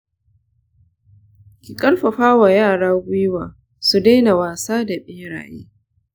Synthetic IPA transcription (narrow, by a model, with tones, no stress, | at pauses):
kʲɪ˨kʼɐ˦lɸɐ˨ɸaː˦wa˨jaː˦˨ɽaː˦ɡʷʊ˦jwaː˨ | su˨da˦jna˨waː˨saː˦da˨ɓiː˦ɽa̰ː˨jḛː˦